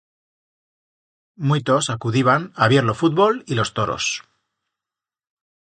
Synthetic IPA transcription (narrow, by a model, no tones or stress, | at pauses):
mwit̪o̞sakuðiβanaβjeɾlo̞fut̪̚βo̞lilo̞st̪o̞ɾo̰s